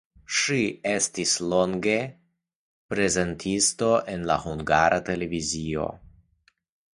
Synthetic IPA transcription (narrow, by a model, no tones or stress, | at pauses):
ʃie̞stislo̞ŋɡe̞ | pɾe̞ze̞ntʰisto̞ʔe̞nla̰huŋɡaɾʔate̞le̞vizio̞̰